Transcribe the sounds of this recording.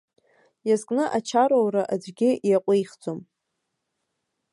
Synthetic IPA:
jazkʼnɨʔat͡ʃʰaɾowraʔad͡ʒʷɡʲɪjaqʷʼejχd͡zʼom

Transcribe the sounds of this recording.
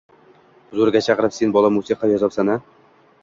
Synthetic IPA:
ʊzuɾɡʲat͡ʃʰɑqɾɪpsenbɒlˠamusiqʰɑjɒzɒpsana

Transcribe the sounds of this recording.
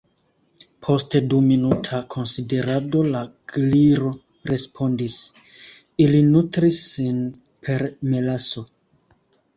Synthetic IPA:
pʰo̞steduminutʰakʰo̞nside̞ɾado̞laɡ̥liɾo̞ | ɾe̞spʰo̞ndis | ilinutɾisːin | pʰe̞ɾmelaso̞

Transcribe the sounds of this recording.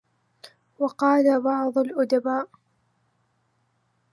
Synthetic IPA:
wɑqɑːlabɑʕd̪ˤʊlʔʊd̪abaːʔ

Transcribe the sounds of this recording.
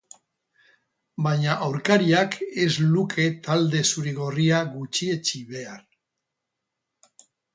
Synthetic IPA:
bajɲaʔawɾkaɾiake̞zlukʰe̞t̪ald̪e̞suɾiɣo̞riaɣut͡ʃie̞t͡ʃiβe̞ar

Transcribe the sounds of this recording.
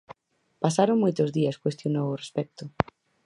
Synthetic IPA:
pasaɾoŋmojt̪ozðiɐskwest̪jonoworespɛk̚t̪ʊ

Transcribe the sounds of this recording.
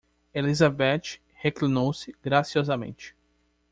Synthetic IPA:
elizabɛt͡ʃɪ̥ | heklĩnowsɪɡɾasiɔzɐmḛ̃nt͡ʃɪ̥

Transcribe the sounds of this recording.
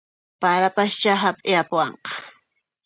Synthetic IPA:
paɾapast͡ʃaɦapʼɪapʊwɑɴqɑ̥

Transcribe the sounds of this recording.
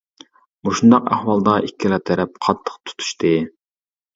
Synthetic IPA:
boʃund̪ɑqæ̰hwɑlˠd̪ɑʔikʲʰːilˠɑt̪ʰɛɾɛp̚qʰɑt̪ʰːə̥qt̪ʰu̥t̪ʰu̥ʃt̪ʰɨ

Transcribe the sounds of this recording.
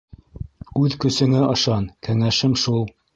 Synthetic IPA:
ʉðkɵ̆sɘ̆ŋæʔɤ̆ʃɑnkæŋæʃɘmʃulˠ

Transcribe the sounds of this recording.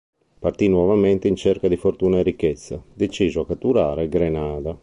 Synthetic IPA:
part̪inwɔvamɛnt̪eint͡ʃeɾkad̪ifoɾt̪uːnaɛɾikːɛt̪sːad̪et͡ʃiːzoakat̪ːuɾaːɾeɡɾenaːd̪a

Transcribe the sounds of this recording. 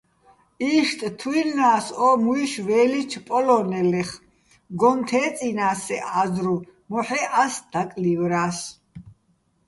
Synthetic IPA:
iʃt̪ʼt̪ʰwilnaːsɔmuiʃvɛːlit͡ʃʰpʼɔlɔnɛlɛχ | ɡɔnt̪ʰɛːt͡sʼinaːsɛʔazɾu | mɔħɛʔasd̪̥akʼlivɾaːs

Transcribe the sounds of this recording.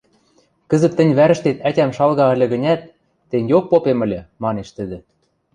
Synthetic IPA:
kə̆zə̆t̪ːɘ̆nʲβæɾɘ̆ʃt̪et̪ætʲæmʃɑlɣɑə̆lʲɘ̆ɣə̆nʲæt̪̚ː | enʲjok̚popemɘ̆lʲĕmɑneʃt̪ə̆d̪ĕ

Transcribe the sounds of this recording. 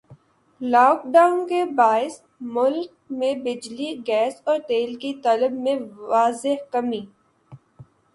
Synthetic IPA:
laːkɖaːʊnkebaːɪs | mʊlk̚ | mẽbɪd͡ʒliɡɛːsɔːɾt̪eːlkit̪ɔːləbmẽaːzɪɦkɐmiː

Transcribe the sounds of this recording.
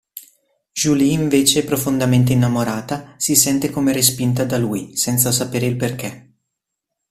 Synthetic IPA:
ʒuliːɱveːt͡ʃepɾofond̪ament̪̬einːamoɾaːt̪asisɛnt̪ekomeɾes̬pint̪ad̪aluːjsɛnt̪sasapeːɾeilperk̟e

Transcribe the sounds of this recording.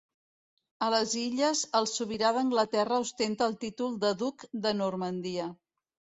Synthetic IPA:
ələziʎəzəlˠsuβiɾaðəŋɡlət̪ɛrəuwst̪ent̪əːlˠt̪it̪ulˠd̪əðukd̪ənurmənd̪iə

